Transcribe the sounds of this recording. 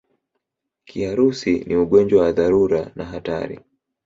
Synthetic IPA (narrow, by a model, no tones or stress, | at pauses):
kʰiaɾusiniuɠɔnd͡ʒwawaðaɾuɾanaɦata̰ɾḭ